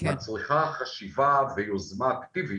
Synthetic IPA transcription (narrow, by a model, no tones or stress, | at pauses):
at͡sliχaχaʃivavejozmakt̪ivi